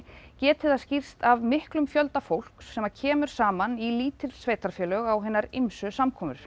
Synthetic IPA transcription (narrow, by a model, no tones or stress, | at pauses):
cɛːt̪ʰɪðascir̥st̪avmɪhklʏmfjœlt̪afowl̥ksɛmacʰɛːmʏɾ̥saːmaniliːt̪ɪ̥sveːjt̪aɾfjɛːlœɣawɦɛnːaɾemsʏsamkʰɔːmʏ̰ɾ̥